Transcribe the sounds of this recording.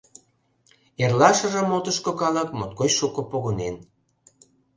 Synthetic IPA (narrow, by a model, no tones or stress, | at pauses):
erlɑʃə̆ʒə̆mot̪əʃkokɑləkmot̪̚kojʃukopoɣonen